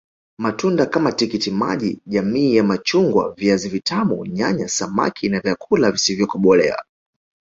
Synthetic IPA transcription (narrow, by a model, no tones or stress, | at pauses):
matundakamatikitima̰ʄiʄamiːjamat͡ʃuŋɡwa̰viazivitʰamṵɲaɲasama̰kʰinavjakʰulavisivjɔkɔɓɔlɛ̰a̰